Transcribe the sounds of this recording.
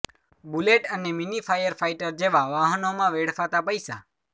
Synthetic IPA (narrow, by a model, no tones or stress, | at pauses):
buleʈəneminifʰajəɾfajʈəɾd͡ʒeʋaʋaɦənomãʋeɽ̤fat̪apəjsa